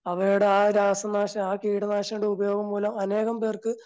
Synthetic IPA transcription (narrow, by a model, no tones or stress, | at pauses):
ɐʋɐjuɽeaːɾaːsɐnːaːɕɐmaːkiːɽɐnaːɕɐnuɽeubɐjo̞ːɣɐmpoːlɐmɐne̞ːɣɐmpeːrkɨ